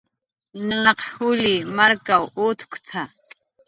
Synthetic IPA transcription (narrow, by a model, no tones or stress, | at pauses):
nəŋɑqhʊliːmaɾkawut̪ʰʊ̥kt͡sʰa